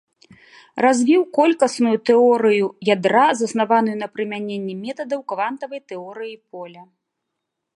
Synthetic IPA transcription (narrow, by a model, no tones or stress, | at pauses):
razʲvʲiwkɔlʲkɐsnujut̪ɛɔɾɨjujad̪ɾazɐsnavanujunɐpɾɨmʲanʲenʲːɛmʲɛt̪ɐd̪ɐwkvant̪ɐvɐjt̪ɛɔɾɨjipɔlʲɐ